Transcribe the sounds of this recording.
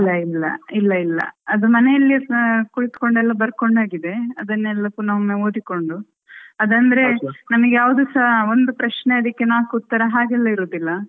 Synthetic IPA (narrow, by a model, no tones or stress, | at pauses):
lːɐilːɐ̰ilːɐilːɐ̰ɐd̪umɐnejɐlːikuɭit̪ko̞ɳɖɛlːɐbɐɾko̞ɳɖaːɡid̪e̞ɐd̪ɐnːɛlːɐpunɐʋmːeoːd̪iko̞ɳɖu | ɐd̪ɐnd̪ɐɾe̞nɐmɐɡejaːʋɐd̪uːsɐond̪upɾɐʃneɐd̪ikːenaːkut̪ːɐɾɐɦaːɡɛlːɐiɾoːd̪ilːɐ